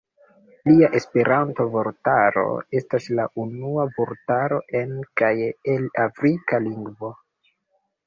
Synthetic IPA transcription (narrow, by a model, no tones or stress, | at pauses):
liaʔe̞spe̞ɾʔanto̞vo̞ɾtaɾo̞̰e̞staslaʔunuavoɾtaɾo̞ʔe̞nkajelafɾikaliŋɡvo̞